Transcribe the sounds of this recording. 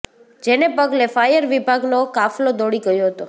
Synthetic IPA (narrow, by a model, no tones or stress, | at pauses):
d͡ʒenepəɡlefajəɾʋibʱaɡnokaflod̪oɽiɡəjoɦət̪o